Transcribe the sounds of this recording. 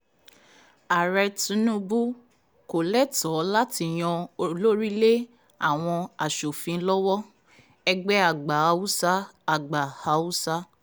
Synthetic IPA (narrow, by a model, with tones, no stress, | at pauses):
a˨ɾɛ˧tũ˨˦nũ˦bu˦ | ko˨lɛ˦tɔ˨˦la˦ti˧j̃ɔ̃˧o˧lo˦ɾi˦le˦ | a˦˨w̃ɔ̃˧a˨ʃo˨fĩ˨˧˦lɔ˦wɔ˦ | ɛ˧ɡ͡bɛ˦a˦˨ɡ͡ba˨˧˦u˦sa˦a˨ɡ͡ba˨ha˧˦wu˦sa˦